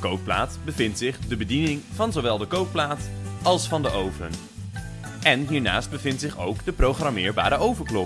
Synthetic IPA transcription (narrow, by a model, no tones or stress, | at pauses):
kowp̚pla̰ːtbəvɪntsɪχdəbədinɪŋv̥ɑnzowʋɛlˠdəkowp̚plaːtɑlˠsfɑndəʔowvə̰n | ɛnɦiːɹna̰ːsd̚bəvɪntsɪχo̰wkdəprowχramɪːɹba̰ːɾəʔowvəɹklɔ